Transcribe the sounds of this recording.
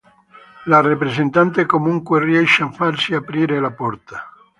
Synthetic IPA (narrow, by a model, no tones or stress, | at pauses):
larepɾesent̪ant̪ekomuŋkwerjɛʃafaɾsiapɾiɾelapɔɾt̪a